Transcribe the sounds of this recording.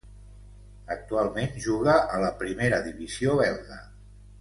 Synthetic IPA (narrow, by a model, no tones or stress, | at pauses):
ək̚t̪ualˠmenʒuɣəələpɾimeɾəðiβiz̥ioβɛɾðə